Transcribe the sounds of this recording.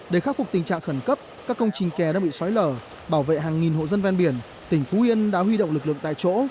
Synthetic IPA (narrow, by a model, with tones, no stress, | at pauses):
ɗe˧˩xaː˦˥t̚fʊ˨˩k͡p̚t̪i˨˩ŋ̟t͡ɕa̰ː˧˨ŋxə˧˩nkə˦˥p̚kaː˦˥kːə˧wŋ͡mt͡ɕï˨˩ŋ̟kɛ˨˩ɗaː˧ŋɓḭ˧˨sɔ˨˦jləː˧˩ | ɓaː˧˩wvḛ˧˨ɦaː˨˩ŋːi˨˩nho̰˧˨zə˧nvɛ˧nɓi˧˩ən | t̪ï˨˩ŋ̟fu˨˦hi˧ənɗaː˧˥ɦwi˧ɗo̰˧˨wŋ͡mlɨ˨˩k̚lɨ̰˧˨ə˨ŋt̪a̰ː˧˨t͡ɕo̰˧˥